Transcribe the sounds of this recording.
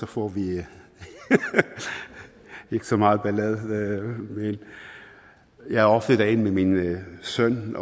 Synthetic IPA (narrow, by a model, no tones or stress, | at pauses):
sɔfɔʋi | eɡ̥ə̥sɒmɑːð̩ˠb̥ælɛðˠ | men | jæɪæɔfd̥əd̥̪æɪnmeminsœn